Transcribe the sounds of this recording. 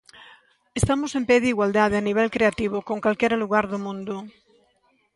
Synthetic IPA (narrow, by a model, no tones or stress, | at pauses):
est̪amosempeðeiɣwald̪að̞eaniβɛlkɾeat̪iβ̞okoŋkwalkjeɾaluɣ̞aɾðomũnd̪o